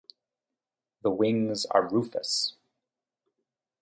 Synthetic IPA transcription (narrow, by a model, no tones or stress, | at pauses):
ðəwɪ̃ŋzə̰˞ɹufə̰s